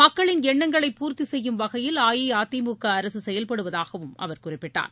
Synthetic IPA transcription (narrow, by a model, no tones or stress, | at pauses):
mɐkːɐɭɪnɛɳːɐŋɡɐɭɐɪpːuːɾt̪isɛjːɯmʋɐɣɐjɪlaːjiaːt̪ːimukːɐːɾɐsɯsɛjɐlpɐɽɯʋɐðaːɣɐʋɯmɐ̰ʋɐɾkʊrɪpːɪʈːa̰ːɾ